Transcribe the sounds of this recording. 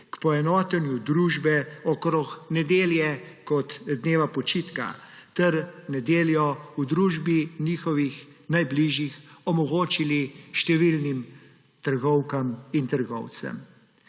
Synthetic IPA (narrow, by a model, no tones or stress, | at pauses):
kpɔɛnɔːt̪ɛnjud̪ɾuːʒbɛɔkɾɔxnɛd̪eːljɛkɔt̪d̪neːʋapɔt͡ʃiːt̪ka̰t̪ɛɾnɛd̪eːljɔud̪ɾuːʒbiniːxɔʋixnajbliʒjixɔmɔɡoːt͡ʃiliʃt̪ɛʋilnim | t̪əɾɡɔwkamint̪əɾɡɔ̰wt̪sɛ̰m